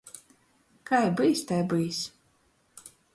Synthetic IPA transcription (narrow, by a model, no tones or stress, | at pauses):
kajbɨjsʲt̪ajbɨjs